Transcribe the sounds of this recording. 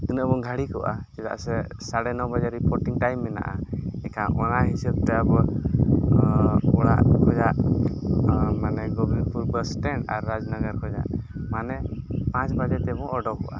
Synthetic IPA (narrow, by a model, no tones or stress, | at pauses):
t̪unəʔbɔɡʱaɽikɔʔad͡ʒɛd̪a̰ʔsɛ | saɽɛnɔwbad͡ʒaɾipɔɾʈiŋʈajmːɛna̰ʔaɛkaʔɔnaɦisɛb̚t̪ɛabɔ | ɔɽa̰ʔkʰɔd͡ʒaʔ | manɛɡɔbɾipuɾbəsʈɛɳɖaɾːad͡ʒnaɡəɾkʰɔd͡ʒa̰ʔmanɛpãt͡ʃbad͡ʒɛt̪ɛbɔʔɔɖɔkɔʔa̰